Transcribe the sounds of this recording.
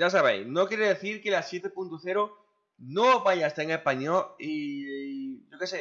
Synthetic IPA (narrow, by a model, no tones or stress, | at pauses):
asaβ̞ḛjsnokjeɾeðe̞θiɾkelasːje̞t̪e̞punt̪oθeɾo | noβajast̪eŋehpaɲoi | ʝokese